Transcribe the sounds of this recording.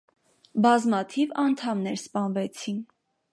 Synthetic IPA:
bɑzmɑt̪ʰivɑnt̪ʰɑmnɛɾspɑnvɛt͡sʰin

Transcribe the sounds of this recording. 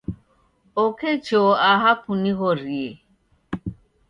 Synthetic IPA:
ɔkʰet͡ʃɔaɦapuniɣɔɾie

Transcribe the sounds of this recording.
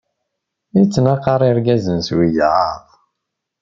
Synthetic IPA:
it͡sːənaqɑɾˤiɾɡæzənswijaʕʁ

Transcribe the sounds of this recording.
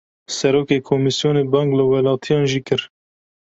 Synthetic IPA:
sɛɾoːkeːkʰomisjoːneːbɑːŋɡlɨwɛlɑːt̪ʰijɑːnʒiːkɨɾ

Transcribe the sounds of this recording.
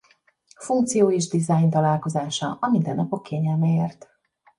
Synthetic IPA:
fuŋk̚t̪sijoːeːʒd̪izajnt̪ɒlaːlko̞zaːʃɒɒmind̪ɛnːɒpo̞kʰːeːɲɛlmɛeːrt̪

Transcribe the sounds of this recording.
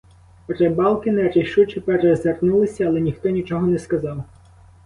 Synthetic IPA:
pɔɾɛbɑlˠkɪnɛɾeʃut͡ʃɪpɛrɛzernulˠɪsʲɐːlˠɛnʲixt̪ɔnʲit͡ʃɔɦɔnɛskɐzɑw

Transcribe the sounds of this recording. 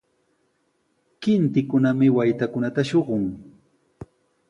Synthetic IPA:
kɪnt̪ɪkʊnamɪwajt̪akʊnat̪aʃoɢʊŋ

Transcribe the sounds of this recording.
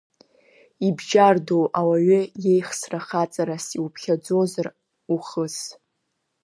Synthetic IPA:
ibʒardowʔawaɥʏje̞jχsraχat͡sʼaɾasiwpʰχʲad͡zo̞zar | uχəs

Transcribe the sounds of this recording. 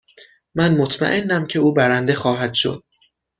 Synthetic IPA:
mænmot̪ʰmæ̰ʔe̞nːæmcʰe̞uːbæɾænd̪e̞xɒːɦæd̪̥ʃo̞̰d̪̥̚

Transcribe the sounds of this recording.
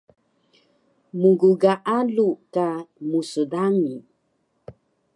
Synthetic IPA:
muɡuɡaʔalukamusədaŋi

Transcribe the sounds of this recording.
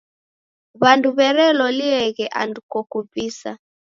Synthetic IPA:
βanduβɛɾɛlɔliɛɣɛʔa̰ndukɔkupisa̰

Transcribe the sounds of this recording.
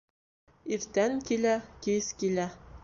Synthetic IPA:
iɾt̪æŋkilækiskilæ

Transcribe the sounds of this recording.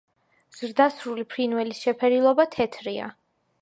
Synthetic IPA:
z̥ɾd̪asɾulipʰɾinwɛlisʃɛpʰɛɾilˠɔbat̪ʰɛt̪ʰɾia̰

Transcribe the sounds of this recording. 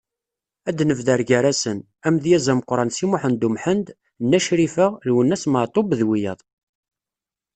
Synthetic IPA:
æd̪nəvðæɾɡæɾæsən | æmðjæzæmqɾˤɑnsimʊħənd̪umħənd̪ | nːæʃɾifəʁlwənːæsməʕt̪ˤobðwijə̰ðˤ

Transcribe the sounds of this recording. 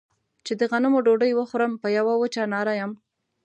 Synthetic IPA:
t͡ʃed̪əɣanʊmoɖoɖəjwəxɾəmpəjawawət͡ʃɑnɑɾajam

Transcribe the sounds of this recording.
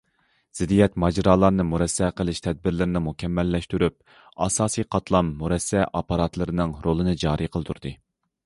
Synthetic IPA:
z̥ɪd̪ijɛt̪mɑd͡ʒɾɑːlˠɑɾnɨmuɾɛsːɛqəlˠɪʃt̪ʰɛd̪̚bɪɾlɪɾɪnɪmukʲʰɛmːɛlːɛʃt̪yɾyp̚ | ɑ̰sɑːsiqʰɑt̪lˠɑmːuɾɛsːɛʔɑpɑɾɑt̪lˠɨɾɨnɨŋɾolˠɨnɨd͡ʒɑːɾiqʰəlˠɨt̪ʰuɾd̪ɨ

